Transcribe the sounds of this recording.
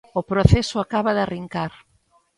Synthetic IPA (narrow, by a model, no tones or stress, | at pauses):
ʊpɾoθɛsʊakaβaðɪariŋkaɾ